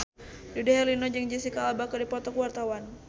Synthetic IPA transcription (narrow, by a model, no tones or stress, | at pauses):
dudɛɦɛlinɔd͡ʒəŋd͡ʒisikaabakadipɔt̪ɔkuwart̪awan